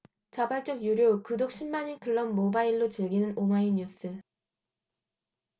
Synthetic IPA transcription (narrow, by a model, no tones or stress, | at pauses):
t͡ɕabaɭt͡ɕ͈ʌɡjuɾjokɯdok̚ɕ͈ʰimːaɲikɯɭːʌnmobaiɭːot͡ɕɯɭɡinɯnomaiɲus͈ʰɯ